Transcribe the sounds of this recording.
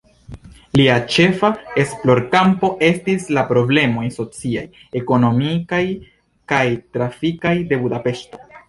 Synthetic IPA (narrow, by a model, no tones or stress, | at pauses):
liat͡ʃe̞fae̞splo̞ɾkampo̞ʔe̞stislapɾo̞ble̞mo̞jso̞t͡siaj | e̞ko̞no̞mikaj | kajtɾafikajde̞budape̞ʃto̞